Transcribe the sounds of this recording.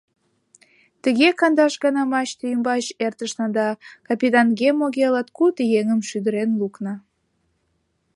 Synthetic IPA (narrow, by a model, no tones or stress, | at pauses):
t̪əɣekɑnd̪ɑʃɡənɑmɑt͡ɕt̪əjəmbɑɕert̪əʃnɑnd̪ɑkɑpit̪ɑnɡemoɣelɑt̪kut̪jeŋəmʃyd̪əɾenluknɑ